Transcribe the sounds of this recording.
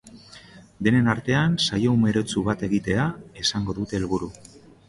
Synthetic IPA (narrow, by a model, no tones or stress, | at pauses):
d̪e̞ne̞naɾt̪e̞ansajo̞ume̞ɾe̞t͡suβat̪e̞ɣit̪e̞aesaŋɡo̞ðut̪e̞ːlβuɾu